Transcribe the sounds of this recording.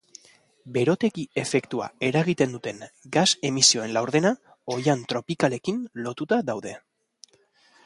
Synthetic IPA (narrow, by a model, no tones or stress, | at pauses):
be̞ɾo̞t̪e̞kie̞fe̞kt̪ua̰e̞ɾaɣit̪e̞nd̪ut̪e̞ŋɡase̞misio̞e̞nlawɾðe̞na | o̞jant̪ɾo̞pikale̞kinlo̞t̪ut̪aðawðe